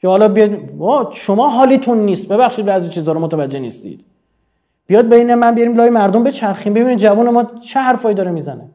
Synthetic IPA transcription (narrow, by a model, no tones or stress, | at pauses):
kʰehɒlɒːbijd̪ɒːʃomɒːɦɒːlit̪ʰunːiːst̪̚be̞βæxʃiːd̪bæzjit͡ʃʰiːzɒːɾomot̪ʰævæd͡ʒːenist̪ḭd̪̥ | b̥ijɒd̪̚beinæmmːænbijɒɾiːmlɒːjimæɾd̪ombe̞t͡ʃʰæɾximbe̞biːniːd̪d͡ʒævuːne̞mɒːt͡ʃʰeɦæɾfɒːjid̪ɒːɾemiːzæne